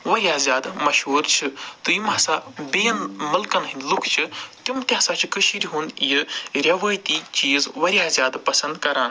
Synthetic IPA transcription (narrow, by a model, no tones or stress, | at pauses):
ʋɐɾiaːzʲjaːd̪mɐʃɦuːɾt͡ʃʰit̪ɨjimaːsaːbeːɐnmɐlkɐnɦinʲlukʰt͡ʃʰit̪umt̪ʲjãsaːt͡ʃʰikɨʃʰiɾʲiɦunjɨɾʲɐʋaːjt̪iːt͡ʃiːzʋɐɾʲiaːzʲjaːd̪pɐsɐnd̪kɐɾaːn